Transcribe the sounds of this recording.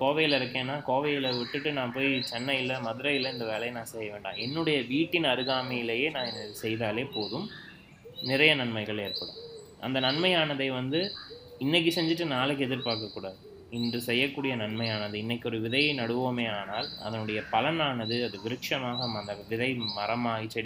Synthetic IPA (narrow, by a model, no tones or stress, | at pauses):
koːʋɐjɪlɪɾɯkːẽːnːaːkoːʋɐjɪlɐʋɪʈːɯʈːɯnãːpoːjt͡ʃɛnːɐjɪlɐmɐðɪɾɐjɪlːɐɪnd̪ɐʋeːlɐɪnãːsɛjːɐʋeːɳɖã̰ːɛnːɯɽɐjɐʋiːʈːɪnɐɾɯɣaːmɐjɪlɐjeːnãːnsɛjðaːleːpoːðɯm | nɪɾɐjɐnɐɳmɐɪɣɐɭeːɾpɐɽõ̰ː | ʔɐ̰nd̪ɐnɐnmɐjaːnɐðɐɪʋɐnd̪ɯ | ɪnːɛk̬ːɯsɛɲd͡ʒɯʈ̬ːɯnaːlɯkːɯɛðɪɾpaːɾkɐkːuːɽaːðɯ | ɪndrɯsɛjːɐkːuːɽɪjɐnɐɳmɐɪaːnɐðɯɪnːɐkʲːɔɾɯʋɪðɐjɐɪnɐɽɯʋoːmeːaːnaːlɐ̰ðɐnɯɽɐjɐpɐlɐnaːnɐðɯɐðɯɡɪɾɯkʂɐmaːɣɐɐnd̪ɐʋɪðɐɪmɐɾɐmaːɣit͡ʃːɛɽ